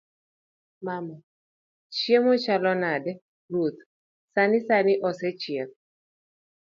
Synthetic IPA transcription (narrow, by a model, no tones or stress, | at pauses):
mama | t͡ʃjemot͡ʃalɔnadɛ | ɾut̪ | sanɪsanɪʔɔsɛt͡ʃjek̚